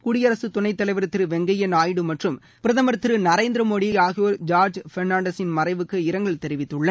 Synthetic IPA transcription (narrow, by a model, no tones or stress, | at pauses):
kʊɽɪjɐɾɐsɯt̪ʊɳɐɪt̪ːɐlɐɪʋɐɾɯt̪ːɪɾɯʋɛŋɡɐjɐnaːjɽɯmɐʈrɯm | pɪɾɐðɐmɐɾɯt̪ːɪɾɯnɐɾeːnd̪ɪɾɐmoːɽiaːɣɪjɐɾd͡ʒaːɾd͡ʒfɛɾnaːɳɖɐsɪnmɐrɐɪʋɯkːɯɪɾɐŋɡɐɭt̪ɛɾɪʋɪt̪ːɯɭːɐ